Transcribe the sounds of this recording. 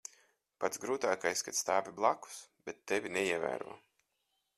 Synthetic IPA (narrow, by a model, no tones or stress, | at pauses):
pat̪zɡɾuːt̪aːkajsʲkat̪st̪aːviblˠaku̥sb̥et̪ːevʲinɛiɛvæ̰ːɾṵɔ